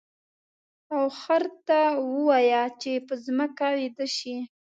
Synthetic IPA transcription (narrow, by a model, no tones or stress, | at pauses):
awxaɾt̪awəwajat͡ʃepəzməkawed̪əʃi